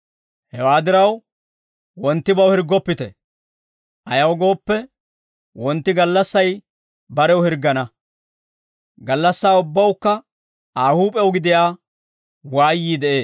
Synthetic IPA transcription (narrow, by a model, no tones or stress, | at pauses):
hɛwaːd̪ɪɾɐw | wɔnt̪ːɪbɐwhɪɾɡːɔpːɪt̪ɛ | ʔɐjɐwɡo̞ːpːɛ | wɔnt̪ːɪɡɐlːɐsːɐj | bɐɾɛwhɪɾɡːɐnɐ | ɡɐlːɐsːaːʊbːɐwkːɐ | aːhuːpʼɛwɡɪd̪ɪjaː | waːjːiːd̪ɛʔeː